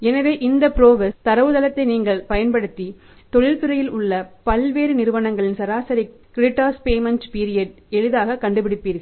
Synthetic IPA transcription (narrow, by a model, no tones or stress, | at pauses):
ɛnɐʋeːʔɪnd̪ɐpɪɾoːʋɐst̪ɐɾɐʋɯðɐlɐt̪ːɐɪniːŋɡɐɭpɐjɐnpɐɽɯt̪ːi | t̪ɔɭɪlp̪ɪɾɐjɪlʊɭːɐpɐlʋeːɾɯnɪɾɯʋɐnɐŋɡɐɭɪnsɐɾaːsɐɾi | kɾɪʈːaːspeːmɐnʈpiːɾɪjɐɖ | ɛɻɯðaːɣɐkːɐɳɖɯpɪɽɪpːiːɾɣɐɭ